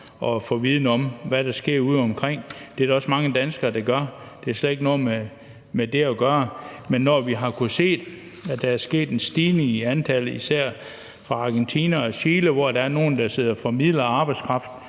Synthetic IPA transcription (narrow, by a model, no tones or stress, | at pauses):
ɒ̽fɔ̰̽ːʋið̞ˠnəɒ̽mʋæɾ̥ɑsɡ̥e̝ɐ̰uð̞̰ˠɒ̽mkʰʁeŋ̰d̥e̝æɾɒ̽smɑ̈ŋəd̥ænsɡ̥ɐːd̥ɑ̈ɡ̥ɶɐ | d̥e̝æɐsled̥e̝ɡ̥nɔːme | med̥e̝æɡ̥ɶːɐmenːɒʋiɦɑ̈kʰuse̝̰ːd̥ | æd̥ææɐsɡ̥e̝̰ːd̥ensd̥iːniænt͡sʰæləisæɐ̰ | fʁɑ̈ɑ̈ɡ̥ent͡sʰḭːnæɒ̽ɕeːləʋɒd̥ɑ̈æɐno̝ːn̩d̥ɑ̈se̝ð̰ˠɐfɒ̽mið̰ˠlɐɑ̈ːb̥ɑ̈ɪd̥skʰʁɑ̈fd̥n̩